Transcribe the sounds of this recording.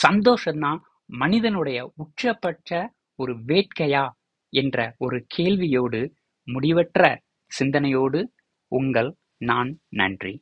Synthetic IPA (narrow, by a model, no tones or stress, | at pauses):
sɐnd̪oːʂɐnːaː | mɐnɪðɐnɯɽɐjɐʊʈʂɐpːɐʈrɐ | ɔɾɯʋeːʈ̚kɐjaː | ɛndrɐɔɾɯkʰeːɭʋɪjoːɽɯ | mʊɽɪʋɐʈrɐ | sɪnd̪ɐnɐjoːɽɯ | ʔʊŋɡɐɭ | naːnnɐ̰ndrḭ